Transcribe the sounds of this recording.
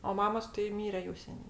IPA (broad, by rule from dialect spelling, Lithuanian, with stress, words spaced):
oː ˈmɑːmoːs tɐɪ ˈmʲiːrʲɛ jɛʊ ˈsʲæːnʲeː